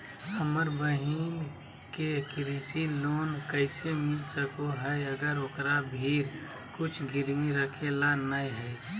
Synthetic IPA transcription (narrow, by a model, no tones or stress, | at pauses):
əməɾbəɦin | kekɾiːsiloːnkəɪsemɪlsəkoɦɛəɡəɾokɾabʱiːɾ | kʊt͡ʃʰɡɪɾmiɾəkʰelanaiɦɛː